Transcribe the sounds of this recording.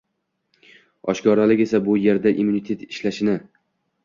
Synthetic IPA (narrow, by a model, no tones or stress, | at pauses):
ɒʃkɒɾalɪkʲe̞sabʊje̞ɾd̪aʔimunit̪ʰe̞t̪ɪʃlaʃɪnɪ